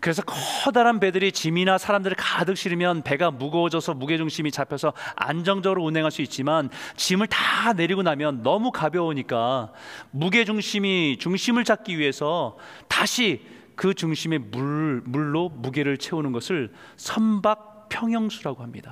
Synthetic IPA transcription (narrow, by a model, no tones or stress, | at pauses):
kɯɾe̞sʰʌkʰʌdaɾanpe̞dɯɾit͡ɕiminasʰaɾamdɯɾɯɭkadɯk̚ɕ͈iɾimjʌnpe̞ɡamuɡʌwʌd͡ʑʌsʰʌmuɡe̞d͡ʑuŋɕʰimit͡ɕapʰjʌsʰʌa̰nd͡ʑʌŋd͡ʑʌɡɯɾounɦe̞ŋɦaɭs͈uit̚t͡ɕ͈imant͡ɕimɯɭtane̞ɾiɡonamjʌnːʌmukabjʌoɲik͈a | muɡe̞d͡ʑuŋɕʰimit͡ɕuŋɕʰimɯɭt͡ɕak̚k͈iɥiɦe̞sʰʌ | taɕʰi | kɯt͡ɕuŋɕʰime̞mumuɭːomuɡeɾɯɭt͡ɕʰe̞unɯnɡʌsʰɯɭ | sʰʌmbak̚ | pʰjʌŋɦjʌŋsʰuɾaɡoɦamɲḭd̥a